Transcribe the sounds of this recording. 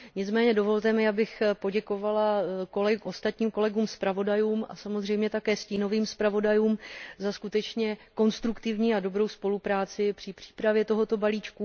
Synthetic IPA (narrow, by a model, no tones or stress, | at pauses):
ɲɪt͡smɛːɲɛdo̞vo̞lt̪ɛmɪabɪxpo̞ɟɛko̞valako̞lɛʔo̞st̪at̪ɲiːmko̞lɛɡuːmspɾavo̞dajuːmʔa̰samozrɛjmɲɛt̪akɛːsciːno̞viːmspɾavo̞dajuːmzaskut̪ɛt͡ʃɲɛko̞nst̪ɾukt̪ɪvɲiːado̞bɾo̞wspo̞lupɾaːt͡sɪpr̥ɪpr̥i̥ːpɾavjɛt̪o̞ɦo̞t̪o̞baliːt͡ʃku